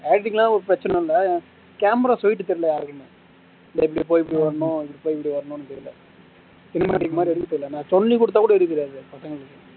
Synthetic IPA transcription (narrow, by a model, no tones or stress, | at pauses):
eːɽɪʈ̬ɪŋɡɐlãːɔɾɯpɾɐt͡ʃːɪnɛɪlːɐ | kaːmɾaːsɔjɪʈːɯt̪ɛɾɪlɐjaːɾɯkːɯme | ɪnd̪ɐɪp̬ːɐɽip̬ːoːjɪp̬ːɐɽiʋɐɾɐɳʊ̃ɪpːɐɽipoːjɪpːɐɽiʋɐɾɐnʊ̃nːɯt̪ɛɾɪlɐ̰ | t͡ʃɪnːɐma̰ːɽɪkːɐmaːd̪ɾiɛɽɯt̪ːɯʈːɯɾɪlɛnãːt̪ɔnːikʊɽɯt̪ːaːkuːɽɐɪɾɯkːɪɾjaːðɯpɐsɐŋɡɐɭɯkːɯ